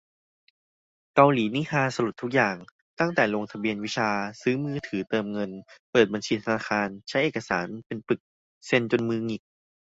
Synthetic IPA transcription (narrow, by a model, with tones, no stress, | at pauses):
ka˧wliː˩˦ni˦˥kʰaː˧sa˧lu˨˩t̪ʰːu˦˥k̚jaː˨˩ŋ | t̪a˥˩ŋt̪ɛː˨˩lo˧ŋt̪ʰa˧bi˧ənwi˦˥t͡ɕʰaː˧sɯː˦˥mɯː˦˥t̪ʰɯː˩˦t̪ɤː˧mŋɤ˧npɤː˨˩t̪̚ba˧nt͡ɕʰiː˧t̪ʰa˧naː˧xaː˧nt͡ɕʰa˦˥jʔeː˨˩ka˧sa̰ː˩˦npe˧nplɯ˨˩k̚ | se˧nt͡ɕo˧nmɯː˧ŋi˨˩k̚